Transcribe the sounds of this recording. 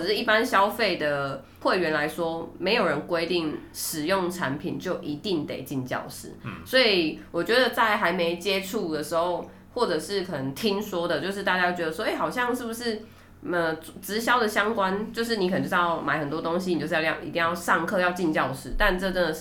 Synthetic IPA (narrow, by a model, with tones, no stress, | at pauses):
ɻ̩˥˩i˥˩pa˦˥nɕjɑ˥ʊfe˥˩ɪd̪ə˩ | xwe˥˩ɪɥɛ˧˥nla˧˦ɪʂwɔ˥me˧˥ɪjo˨˩ʊɻə˧˦nkwe˥ɪt̪i˥˩ŋʂɻ̩˨˩jʊ˥˩ŋʈ͡ʂʰa˧˦npʰḭ˨˩nt͡ɕjo˥˩ʊʔi˧˦˥t̪i˥˩ŋt̪ḛ˨˩ɪt͡ɕi˥˧nt͡ɕjɑ̰˥˨˩ʊʂɻ̩̰˨˩˦swɔ˧˥i˨˩wɔ˨˩t͡ɕɥɛ˧˦d̪ə˨t͡sa˥˩ɪxa˧˥ɪme˧ɪt͡ɕjɛ˦ʈ͡ʂʰu˥˩d̪ə˩ʂɻ̩˧˦xo˥˧ʊ | xwɔ˥˩ʈ͡ʂɤ˨˩ʂɻ̩˥˩kʰɤ˨nə˧˦ŋt̪ʰi˦˥ŋswɔ˥d̪ə˨t͡ɕjo˥˧ʊʂ̬ɻ̩˥˧t̪a˥˩t͡ɕa˥jɑ˥˩t͡ɕɥɛ˧d̪ə˧˩wɔ˥˧e˥˩ɑ˨˩ʊɕ̬jɑ˥˧ŋʂɻ̩˥˩bu˩ʂɻ̩˥˩ | ə˧t͡sɻ̩˧˥ɕjɑ˥ʊd̪ə˨ɕjɑ˥ŋkwa˦nt͡ɕjo˥˧ʊʂ̬ɻ̩˥˩ni˨kə˨˩n˨˩t͡ɕːjɑ˥˩ʊma˨˩ɪxə˨˩nt̪wɔ˥t̪o˥˦ŋɕ̬i˧ni˨t͡ɕo˥˧˥jḭ˧˥t̪i˥˧ŋjɑ˥˧ʊʂɑ˥˧ŋkʰɤ˥˧jɑ˥˧ʊt͡ɕi˥˧nt͡ɕjɑ˥˧ʊʂɻ̩˥˩t̪a˥˧nʈ͡ʂɤ˥˧tə˥˧˩